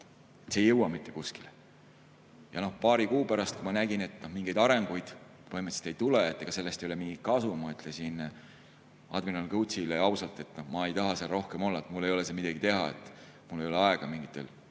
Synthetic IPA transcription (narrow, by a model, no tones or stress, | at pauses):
et̪seːjɤwɑmit̪ːe̞kuskile | jɑno̞hpɑːɾikuːpæɾɑst̪̚kumɑnæɡ̥ine̞t̪ːˑnohmiŋɡ̥e̞jd̪ɑɾe̞ŋɡujd̪̥ | vɤhimet̪si̥t̪e̞jt̪uleet̪ːˑeɡ̥ɑse̞lːest̪ejole̞miŋɡikɑsumɑyt̪lesin | ɑ̰d̪minɑlkɤw̪sileɑwsɑlt̪ːˑe̞t̪ːˑnohmɑejt̪ɑɦɑseɑlro̞hkemo̞lːɑet̪mulːe̞jo̞le̞semid̪ɑɡ̥it̪e̞ɦɑe̞̰t̪ːˑ | mulːe̞jo̞leɑe̞ɡ̥ɑmiŋɡ̥it̪ːˑe̞̰l